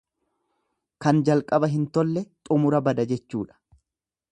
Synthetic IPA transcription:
kɐnd͡ʒɐlkʼɐbɐɦɪnt̪ɔlːɛt̪ʼʊmʊɾɐbɐd̪ɐd͡ʒɛt͡ʃːuːᶑɐ̥

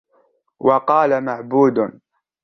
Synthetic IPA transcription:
wɑqɑːlamaʕbuːd̪

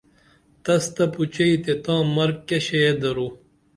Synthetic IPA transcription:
t̪ɐst̪ɐput͡ɕɐit̪et̪ãːmɐɾkkːeɕejed̪ɐɾu

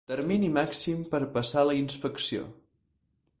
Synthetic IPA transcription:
t̪əɾminimaksimpəɾpəsaləinspəksio̰

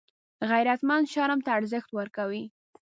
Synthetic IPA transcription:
ɣajɾat̪manʃɑɾamt̪aːɾzəxt̪wəɾkawi

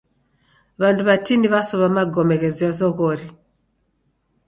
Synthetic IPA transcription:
βanduβatiniβasoβamaɡɔmeɣeziɔzɔɣɔɾi

